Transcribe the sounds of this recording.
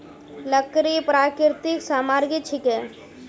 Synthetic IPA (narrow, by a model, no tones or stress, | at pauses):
lɐkɾipɾaːkɪɾt̪ɪksaːmaːɾɡit͡ʃʰɪkɛ